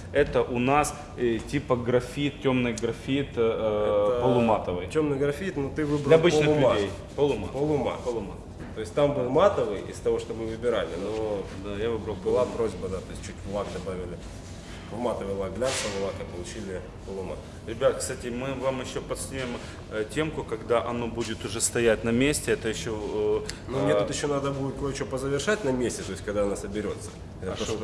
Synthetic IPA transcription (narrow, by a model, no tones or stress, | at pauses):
ɛt̪əʔʊnas | tʲipəɡɾɐfʲit̪̚tʲomnɨjɡɾɐfʲit̪ | pəlˠʊmat̪əvɨjtʲːomnɨjɡɾɐfʲit̪nut̪ɨvɨbɾʲɐbɨt͡ɕ̪ɨlʲej | polˠʊmapolˠʊma̰pəlˠʊma̰t̪ | t̪ːo̞ɪsʲtʲt̪ambɨlˠmat̪əvɨjɪ̰st̪ɐvo̞ʂt̪omɨvɨbʲɪɾalʲɪnod̪ajavɨbɾɐlˠbɨlˠapɾo̞zʲbəd̪at̪o̞ɪs̚ʲt͡ɕːutʲvʊlˠakd̪ɐbavʲɪlʲɪ | vmat̪əvɨjlˠaɡlʲatpəlˠʊlˠakɐpəlˠʊt͡ɕilʲɪ | polˠʊma̰t̪ | ɾʲɪbʲat̪kst̪atʲɪmɨvamjɪɕːopɐt̪snʲujʲɪm | tʲe̞mkʊkɐɡd̪aʔɐno̞budʲɪt̪ʊʐɛst̪ɐjætʲnɐmʲesʲtʲɪɛt̪əjɪɕːonomʲeut̪jɪɕːonad̪əbudʲɪt̪̚kojɪt͡ɕopəzəvʲɪrʂat̚ʲnɐmʲesʲtʲɪt̪o̞ɪsʲkɐɡd̪aɐnasəbʲɪɾʲo̞t̪sə̥ | ɛt̪ət̪o